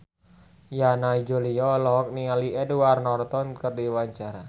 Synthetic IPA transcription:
janaid͡ʒuliɔlɔɦɔk̚niŋaliʔɛduarnɔrt̪ɔnkərdiwaɲt͡ʃaɾa

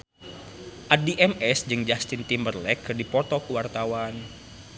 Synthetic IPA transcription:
ʔadiʔɛmɛsd͡ʒɨŋd͡ʒast̪int̪imbərlɛkːɨrdipɔt̪ɔkəwart̪awan

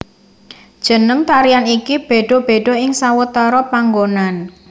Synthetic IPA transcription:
d̥ʒ̥ə̤nəŋt̪aɾianikib̥e̤ɖ̥ɔ̤b̥e̤ɖ̥ɔ̤ɪŋsawət̪ɔɾɔpaŋɡonan

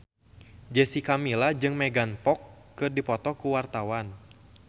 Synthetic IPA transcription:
d͡ʒɛsikamilad͡ʒɨŋmɛɡanpɔkːɨrdipɔt̪ɔkuwart̪awan

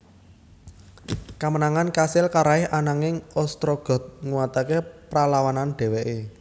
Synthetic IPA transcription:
kamənaŋankasɪlkaɾaɪɦʔanaŋɪŋɔst̪ɾɔɡ̥ɔ̤t̪̚ŋuwat̪akepɾalawananɖ̥e̤weʔe

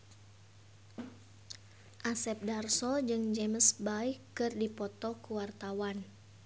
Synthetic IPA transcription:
ʔasɛp̚darsɔd͡ʒɨŋd͡ʒeməsbaikɨrdipɔt̪ɔkuwart̪awan

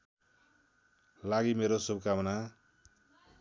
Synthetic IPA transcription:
laɡimeɾosub̚kamʌna

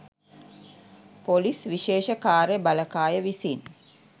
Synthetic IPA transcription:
polisʋiʃeːʃəkaːɾebaləkaːjəʋisin

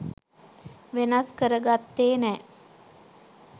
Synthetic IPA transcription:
ʋenaskəɾəɡat̪ːeːnɛː

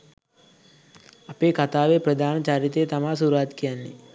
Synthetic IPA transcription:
ɐpeːkɐt̪aːʋeːpɾɐd̪ʱaːnɐt͡ʃaːɾit̪eːt̪ɐmasuɾaːt̪kijanːi

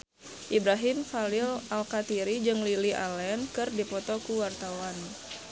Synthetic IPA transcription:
ʔibɾaɦɪmfalilalkat̪iɾid͡ʒɨŋliliʔa̰lɛnkɨrdipɔt̪ɔkuwart̪awan

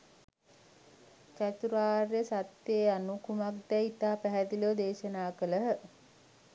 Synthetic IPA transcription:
t͡ʃæt̪uɾaːrjəsat̪jeːanukumak̚d̪ɛit̪aːpæɦɛd̪ilod̪eːʃənaːkələɦə

